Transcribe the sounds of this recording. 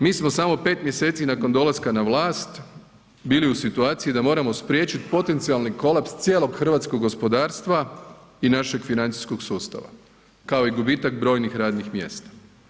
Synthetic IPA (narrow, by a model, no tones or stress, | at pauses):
miːsmo̞samo̞pe̞ːt̪mʲje̞se̞ːt̪sinako̞nd̪o̞lˠaskanaʋlˠaːst̪ | biːliusit̪uaːt̪sijid̪amo̞ːɾamo̞spɾje̞ːt͡ʃit̪po̞t̪e̞nt̪sialˠniko̞lˠapst̪sʲje̞ːlˠo̞ɡxr̩ʋaːt̪skoɡːo̞spo̞d̪aːɾst̪ʋa | inaʃe̞ɡfinant̪i̥sko̞ɡsuːst̪a̰ʋa̰ | kao̞iɡubiːt̪akbɾo̞ːjnixɾaːd̪nixmje̞̰ːst̪ḁ